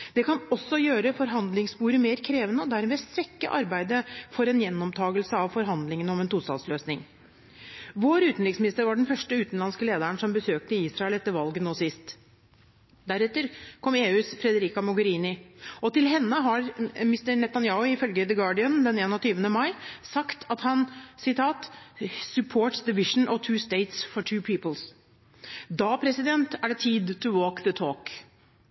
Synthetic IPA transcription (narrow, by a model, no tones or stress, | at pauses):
d̪̥ɛkʰɑnɔsːɔjøːɾəfɔɾɦɑnd̪lɪŋsbuːɾəmeːɾkʰɾeːʋənəɔd̪æɾmeːst̪ʋɛkːəʔɑɾbæɪd̪əfɔɾɛnjɛnːɔmt̪ʰɑːɡəlsəɑʋfɔɾɦɑnd̪lɪŋənɔmɛnt̪uːst̪ɑ̰ːlsløːsnɪŋ | ʋoːɾʉːt̪n̩ɾɪksmɪnɪst̪əɾʋɑɖɛnfœʂʈəʉːt̪n̩lɑnskəleːd̪əɳsɔmbəsøːk̚t̪əiːsɾɑɛlɛt̪ːəɾʋɑlɡənoːsɪst̪ | d̪æɾɛt̪ːəɾkʰɔmeːʉːsfɾɛd̪əɾiːkɑmɔɡəɾiːnɪɔt̪ɪlɦɛnːəɦɑɾmɪst̪əɾnɛt̪ɑnjɑːʊɪfœlɡəd̪əɡɑːɖɪənd̪ɛneːnɔt̪ʰyːʋənəmɑɪsɑkt̪ʰɑt̪hɑnsɪt̪ʰɑːt̪sʉpʰoːʈsd̪əʋɪʂn̩ʔɔt̪ʰʉːst̪eɪt̪sfɔʈʰʉːpʰiːpəls | d̪ɑːpʰɾɛsɪd̪ɛnt̪ʰæɖɛt̪ʰiːd̪t̪ʰəwoːkðət̪ʰoːk